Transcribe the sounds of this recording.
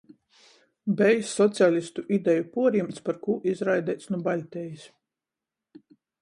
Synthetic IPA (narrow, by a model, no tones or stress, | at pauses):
bɛjsːɔt̪sʲalʲist̪uʔid̪ʲɛjupuɔɾjimt̪spaɾkuːʔizɾajd̪ʲɛjt̪snubalʲt̪ʲɛjis